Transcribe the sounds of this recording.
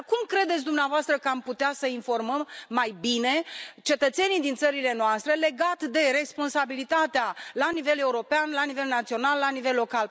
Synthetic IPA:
kumkɾe̞d̪et̪sʲd̪umneavoast̪ɾəkəamput̪easəinfo̞rməmːajbine̞t͡ʃe̞t̪ət̪se̞nijd̪int̪səɾile̞noast̪ɾe̞le̞ɡat̪d̪e̞ɾe̞spo̞nsabilit̪at̪ealanive̞le̞uɾo̞peanlanive̞lnat̪sio̞nalːanive̞lːo̞kal

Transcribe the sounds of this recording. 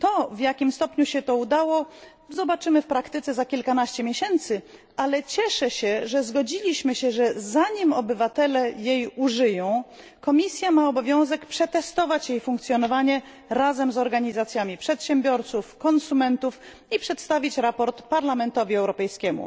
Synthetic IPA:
t̪ɔvjakʲimst̪ɔpɲuɕɛt̪ɔud̪awɔ | zɔbat͡ʂɘmɘfpɾakt̪ɘt̪sɛzakʲilkanaɕt͡ɕɛmʲjeɕɛnt̪sɘ | alɛt͡ɕɛʂɛɕɛʐɛzɡɔd͡ʑilʲiɕmɘɕɛʐɛzaɲimɔbɘvat̪ɛlɛjejuʐɘjɔ̃w̃ | kɔmʲisʲjamaɔbɔvʲjɔ̃w̃zɛkpʂɛt̪ɛst̪ɔvat͡ɕjejfũŋkt̪sʲjɔnɔvaɲɛ | ɾazɛmzɔɾɡaɲizat̪sʲjamʲipʂɛt̪ɕɛmbʲjɔɾt̪sufkɔnsumɛnt̪uf | ipʂɛt̪st̪avʲit͡ɕɾapɔɾt̪paɾlamɛnt̪ɔvʲiɛwɾɔpɛjskʲɛmṵ

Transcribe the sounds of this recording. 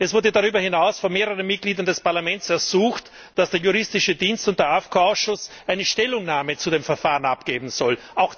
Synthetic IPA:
ɛsv̥ʊɐdədaʁ̞yːbɐhɪnaʊsfɔnmeːʁəʁənmɪt̚ɡ̥liːdɐndɛspaɐlamɛntsɛɐzuːxt | d̥asd̥eːɐjuʁ̞ɪstɪʃədiːnstʊnt̚d̥eɐʔafkʰːaʊsʃʊsʔaɪnəʃtɛlʊŋnaːmət͡sudeːmfɛɐfaːʁəna̰pɡ̥eːbm̩z̥ɔlʔaʊx

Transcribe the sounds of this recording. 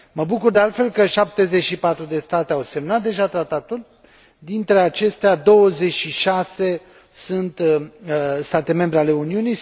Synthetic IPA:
məbukurd̪ealt̪fe̞lkəʃap̚t̪e̞zet͡ʃʃipat̪ɾud̪e̞st̪at̪eawse̞mnat̪̚d̪e̞ʒat̪ɾat̪at̪ul | d̪int̪ɾe̞at͡ʃe̞st̪ead̪o̞wəze̞t͡ʃʲʃiʃase̞ | sunt̪ | st̪at̪e̞me̞mbɾeale̞uniunij

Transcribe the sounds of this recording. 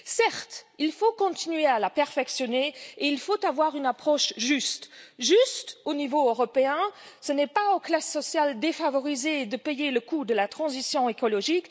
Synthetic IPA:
sɛʁt̪ilfokɔ̃t̪inɥealapɛʁfɛksjɔneeilfot̪avwaʁynapχɔʃʒyst̪ʒyst̪onivoøʁɔpeɛ̃sənɛpaoklasːɔsjald̪efavɔʁized̪əpejeləkud̪əlat̪χɑ̃zisjɔ̃ekɔlɔʒik

